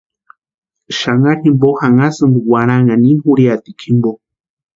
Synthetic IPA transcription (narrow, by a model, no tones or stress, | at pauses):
ʃaŋahimbohaŋasɨnɡuwaɾ̃aŋaniɦuɾiat̪ikʰimbo